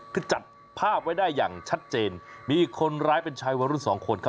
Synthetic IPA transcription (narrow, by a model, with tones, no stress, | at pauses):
k̪ʰɯː˧˩t͡ɕa˨˩t̪̚ | pʰaː˥˩p̚wa˥˩jdaː˥˩jːaː˨˩ŋt͡ɕʰa˦˥t̪̚t͡ɕeː˧nmiː˧ʔiː˨˩kʰːo˧nɾaː˦˥jpe˧nt͡ɕʰaː˧jwaː˧ɾu˥˩nsɔː˩˦ŋkʰo˧nkʰa˦˥